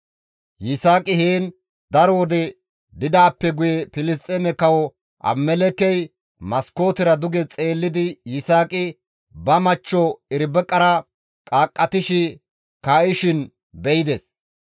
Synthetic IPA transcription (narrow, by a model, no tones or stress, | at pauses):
jɪsaːkʼɪheːn | d̪ɐɾɔwɔd̪ɛ | d̪ɪd̪aːpːɛɡʊjɛpɪlɪst̪ʼːemɛkɐwɔ | ʔɐ̰mːɛlɛkːɛj | mɐsko̞ːt̪ɪɾɐd̪ʊɡɛt͡sʼe̞ːlːɪd̪ɪjɪsaːkʼɪ | bɐmɐt͡ʃːɔɪɾbɛkʼɐɾɐ | kʼaːkʼːɐt̪ɪʃɪ | kaːʔɪʃɪn | bɛjɪd̪ɛs